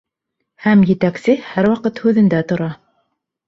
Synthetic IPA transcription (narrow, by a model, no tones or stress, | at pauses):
hæmjɘ̆t̪æksɘhæɾwɑqɤt̪hʉðɘ̆nd̪æt̪ŏɾɑ